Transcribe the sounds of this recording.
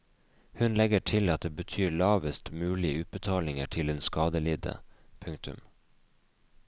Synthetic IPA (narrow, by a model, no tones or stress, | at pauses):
hʉnlɛɡəʈʰɪlɑt̪̚d̪eːbət̪ʰyːɭɑːʋəst̪mʉːlɪəʉːt̪̚bət̪ʰɑːlɪŋə̰ʈʰɪleːnskɑːd̪əlɪd̪ə̰pʰʉŋkt̪ʉ̰m